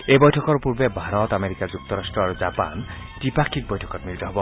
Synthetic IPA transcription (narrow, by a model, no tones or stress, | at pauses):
ebɔjtʰɔkɔɹpuɹbebʱaɹɔt̪ameɾikad͡ʑuk̚t̪ɔɾastɹɔaɹuzapa̰n | tipakʰːik̚bɔjtʰɔ̥kɔt̚milt̪ɔɦɔbɔ